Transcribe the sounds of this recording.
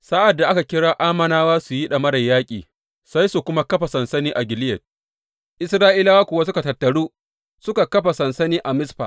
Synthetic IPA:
sa˦ʔa˨dːa˨ʔa˦ka˨kʲɪ˦ɽaː˦ʔaː˦mɐ˨naː˦waː˦su˨ji˦ɗɐ˨mɐ˦ɽɐ˨jːaː˦kʲʼḭː˨ | sa˦jsu˨kʷʊ˦ma˦kɐ˦ɸa˨sɐ˨nsɐ˦niː˦ʔa˨ɡʲɪ˨lɪ˦jɐ˨t̚ | ʔɪ˦sɾaː˦ʔiː˦la˦wa˦kʷʊ˨wa˦s̬ʊ˦ka˨tɐ˨tːɐ˨ɽuː˦ | sʊ˦ka˨kɐ˦ɸa˨sɐ˨nsɐ˦niː˦ʔa˨mɪ˦sɸa̰ː˨

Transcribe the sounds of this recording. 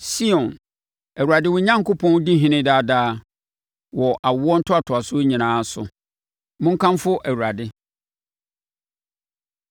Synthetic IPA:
si˦ɔ̃˨n | æ˨wu˨a˨dɪ˦wʊ˦ɲã˦ŋ˦kʰʊ˦pʰɔ̃˦n˦di˦ɦɪ̃˦nɪ̃˦daː˦daː˦ | wɔ˨ʔa˨wɔ˦n̩˦tʰʊ˦a˨tʰʊ˨a˨sʊ˦ɲĩ˨nãː˨˦sʊ˨ | mʊ̃˦ŋ̩˦kʰã˦mfʊ˦ʔæ˨wu˨ɾa˨dɪ˦

